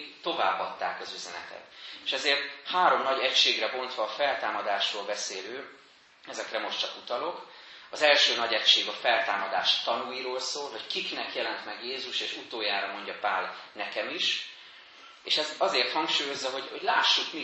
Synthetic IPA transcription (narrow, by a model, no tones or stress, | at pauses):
t̪o̞va̰ːbːɒt̪ːa̰ːkɒzyzɛnɛ̰t̪ɛ̰t̪eʃɛzeːrt̪haːɾo̞mnɒɟɛcʃeːɡrɛbo̞nt̪ʋɒːfɛlt̪aːmɒd̪aːʃroːlbɛseːløː | ɛzɛkrɛmo̞ʃtt͡ʃɒkut̪ɒlo̞k | ɒzɛlʃøːnɒɟɛcʃeːɡɒfɛlt̪aːmɒd̪aːʃt̪ɒnujiɾoːlsoːlɦo̞ckiknɛkjɛlɛnt̪mɛɡjeːzuʃeːʃut̪oːjaːɾɒmo̞ɲɟɒpaːlnɛkɛmiʃ | eːʃɛzɒzeːrt̪hɒŋkʃuːjo̞zːɒɦo̞ɟho̞ɟlaːʃːukmi